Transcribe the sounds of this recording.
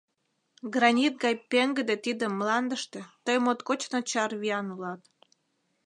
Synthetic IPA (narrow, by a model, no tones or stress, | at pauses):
ɡrɑnʲit̪̚ɡɑjpeŋɡəd̪et̪id̪əmːlɑnd̪əʃt̪et̪əjmot̪kot͡ɕnot͡ɕɑrβiɑnulɑt̪